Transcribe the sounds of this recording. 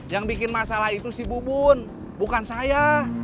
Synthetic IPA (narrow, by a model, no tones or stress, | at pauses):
jaŋbikɪnmasalahit̪usibubʊn | bukansaja